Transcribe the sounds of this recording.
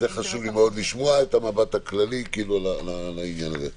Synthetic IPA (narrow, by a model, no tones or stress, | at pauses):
zeχaʃuvlimeo̞d̪liʃmoaet̪amabat̪haklalikiːlulalalainjanaze